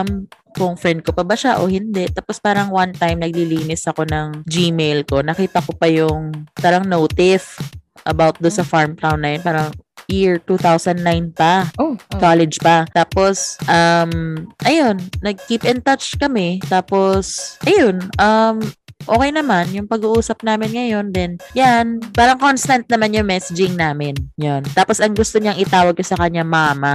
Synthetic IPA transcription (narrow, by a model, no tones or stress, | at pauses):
m | kʊŋfɾɛnd̪̚kopɐbɐʃaʔo̞hɪnd̪ɛʔt̪aːpospaːɾɐŋwant̪ajmnɐɡ̚liliːnɪsɐko̞nɐŋd͡ʒiːmejlko̞nɐkiːt̪ɐkopɐjʊŋpaːɾɐŋnowt̪ɪfʔɐbawt̪̚d̪onsɐfaɹmkɾawnːɐjonpaːɾɐŋjiɹt̪uːθawsɐnd̪nːajnpɐkalɛd͡ʒpɐt̪aːpo̞sʔɐmʔɐjonːɐɡ̚kiːpʔɛnt̪ɐt͡ʃkɐmɛt̪aːposʔɐjonʔɐmʔo̞ːkɛjnɐmanjʊŋpɐɡuːʔuːsɐp̚naːmɪnŋɐjo̞nd̪ɛnjanpaːɾɐŋkonst̪ɐnt̪̚nɐmanjʊŋmɛsɪd͡ʒɪŋnaːmɪnjont̪aːposɐŋɡʊst̪oɲaŋʔɪt̪aːwɐɡ̚kosɐkɐɲːamaːmɐ